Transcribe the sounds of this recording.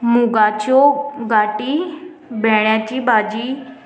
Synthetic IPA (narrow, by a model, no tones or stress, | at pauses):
mũɡaːt͡ʃoːɡaːʈiː | bɛːɽjãːt͡ʃiːbaːd͡ʒiː